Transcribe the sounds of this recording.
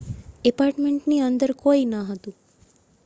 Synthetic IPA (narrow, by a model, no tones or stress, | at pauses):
ɛpaɾʈmeɳʈniənd̪əɾkoinaɦət̪ũ